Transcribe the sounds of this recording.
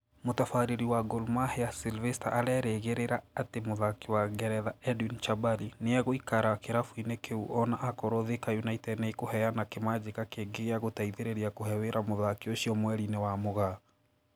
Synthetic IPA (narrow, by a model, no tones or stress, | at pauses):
motafaɾeɾiwaɡolmaheasilvɛsta̰ʔaɾɛɾeɣeɾeɾaːtemoðakiwaɡɛɾɛðaɛdunt͡ʃabalineaɣoikaɾakeɾafuinekʰeuɔnaʔakɔɾoðekajunaitɛdneikohɛanakemad͡ʑekakeɡeɣeaɣotaiðeɾeɾiakohɛweɾʔamoðakioɕiɔmwɛɾinewamoɣa